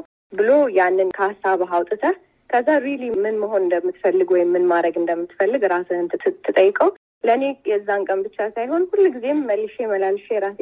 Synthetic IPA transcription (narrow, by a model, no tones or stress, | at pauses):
bɨlojanːɨnkʰəasːaβɦawt̪ʼɨt̪ʰə | kʰəzːaɾilimɨnməɦo̞nɨnd̪əmːɨt̪fəlːɨɡwɔjɪmːɨnmaɾəɡɨnd̪əmːɨt̪fəlːɨɡɾasɨɨnt̪t̪ʰːɨt̪ʼəjːɪkʼəw | ləne̞jɛzːaŋkʼəmbɨt͡ʃːasajho̞nhulːɡize̞mməlːɨʃjɛməlalʃɛjɛɾas